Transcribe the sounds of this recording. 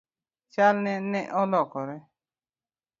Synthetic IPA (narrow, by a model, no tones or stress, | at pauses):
t͡ʃalnɛ̃nɛ̃ʔɔlɔkɔɾɛ